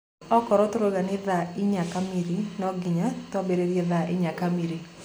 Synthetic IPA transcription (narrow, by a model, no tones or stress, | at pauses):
ɔkɔɾɔt̪ʊɾoɡanɪðaɪɲakamiɾinɔɡɪɲatɔbeɾeɾjeðaʔɪɲakamiɾi